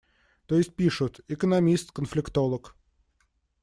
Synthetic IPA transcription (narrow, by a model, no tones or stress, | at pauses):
t̪ojɪsʲt̚ʲpʲiʂʊt̪ɪkənɐmʲist̪kənflʲɪkt̪o̞lˠək